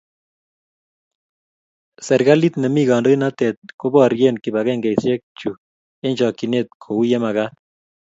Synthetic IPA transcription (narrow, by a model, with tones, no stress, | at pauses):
sɛ˨ɾɡa˦li˦t̪nɛ˨mi˦ɡɔ˨ndo˦i˦na˦t̪ɛ˨t̪̚ko˦bɔ˦ɾɡe˦nki˨ba˨kɛ˦ŋɡɛ˨jsjɛ˦k̚t͡ʃu˨ | e˦ɲt͡ʃɔ˨kːi˨ne˦t̪̚kʰo˨u˦je˦ma˨ɣa˦